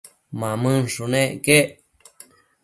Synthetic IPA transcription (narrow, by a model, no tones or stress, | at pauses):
mãmɨ̃ʂunẽʔke